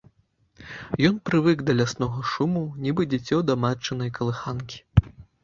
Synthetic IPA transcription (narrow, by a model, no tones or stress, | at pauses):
jɔnpɾɨvɨkd̪ɐlʲasnɔɣɐʂumunʲibɨd͡zʲɛt͡sʲɔd̪ɐmat͡ʂːɨnɐjkɐlˠɨxankʲi̥